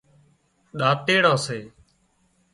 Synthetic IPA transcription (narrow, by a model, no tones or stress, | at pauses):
ɗaːt̪eːɽãːseː